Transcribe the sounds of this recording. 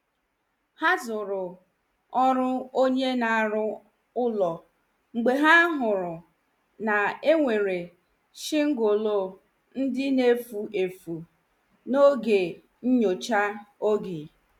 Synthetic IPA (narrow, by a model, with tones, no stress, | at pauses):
ha˦zʊ˨ɾʊ˨ | ɔ˦ɾʊ˦o˦ɲe˦na˨a˨ɾʊ˦ | ʊ˦lɔ˨ | ŋ͡m̩˨ɡ͡be˨ɦa˦ɦʊ˨ɾʊ˨ | na˨e˦ŋʷe˨ɾe˨ | ʃɪ˦ŋ̩˦ɡo˨lo˦˨ | n̩˦dɪ˦ne˦fu˨ʔe˨fu˨ | no˦ɡe˨ | ɲ̩˦ɲo˨t͡ʃa˦o˦ɡe˨